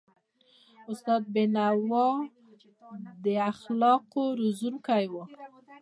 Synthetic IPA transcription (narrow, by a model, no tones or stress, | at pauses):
ʊst̪ɑd̪̚benawɑ | d̪əaxlɑqoɾuzunkajwə